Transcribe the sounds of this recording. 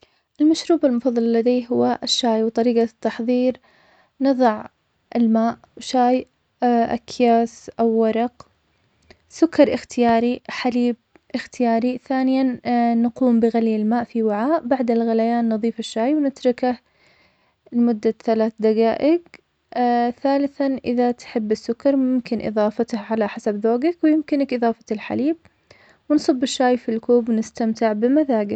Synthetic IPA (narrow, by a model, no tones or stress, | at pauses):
ʔɪlmaʃɾuːbalmʊfɑðˤːɑllːad̪aːɦʊwːaʔʃːaːjwt̪ˤɑɾiːɡat̪ːɑħðˤiːɾ | nɑðˤɑʕ | ʔɪlmaːʔ | wʃaːj | ʔa̰kʰjaːsʔawːɑɾˤɑq | sʊkːɑɾˤʔɪxt̪ʰɪjaːɾiħaliːb̚ | ʔɪxt̪ɪjaːɾiθaːnɪjanaquːmbɪɣaljɪlmaːʔfiwɪʕaːʔbaʕd̪alɣalajaːnːɨðˤiːfaʃːaːjwnɪt̪ɾˤɑkah | lɪmʊd̪ːaθalaːθd̪aɡaːʔɪɡ | θaːlɪθanʔɪðat̪ħɪbːɪsːʊkːɑɾˤmʊmkɪnʔɨ̰ðˤɑːfɑt̪ahʕalaħasabðoːɡakwɪjɪmkɪnakʔɨðˤɑːfɑ̥lħa̰liːb̚ | wɪnsˤɨbːɪʃːaːjfilkuːbwnɪst̪amt̪ɪʕbɪmaðaːɡɪ